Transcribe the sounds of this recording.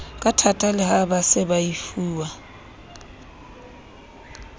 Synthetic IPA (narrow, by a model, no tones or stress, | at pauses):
kʼatʰatʼalɪhabasɪbaifuːwa